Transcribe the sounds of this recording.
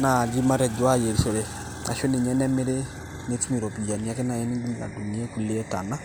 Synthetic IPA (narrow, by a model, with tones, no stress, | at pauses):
na˨di˦ma˦ɾɛ˨do˨˦a˦je˨ɾi˨so˨le˨ | a̰˨ʃo˦ni˨ɲɛ˦nɛ˦me˦ɾe˦ | ne˦ti˦mi˨ɾo˨pi˨ja˨ɲ˨ɛ˨kɛ˦na˨je˦ni˦ɡi˦la̰˨du˨ni˨˦e˦ku˨le˦e˦ta̰˨na˦